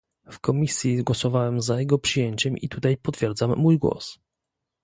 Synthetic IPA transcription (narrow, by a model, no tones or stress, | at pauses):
fkɔmʲisʲjiɡwɔsɔvawɛmzajɛɡɔpʂɘjeɲt͡ɕɛmʔḭt̪ut̪ajpɔt̪fʲjɛɾd̪zamːujɡwɔ̰s